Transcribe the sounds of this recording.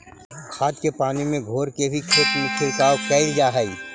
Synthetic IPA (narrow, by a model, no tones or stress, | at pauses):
kʰaːd̪kepaːnimẽɡʱoːɾkebʱikʰɪt̪mɪ̃kʰɪlkaːokɛɪld͡ʒaːɦəi